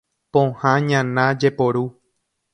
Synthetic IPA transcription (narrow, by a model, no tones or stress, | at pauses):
põhãɲãnãd͡ʒepoɾu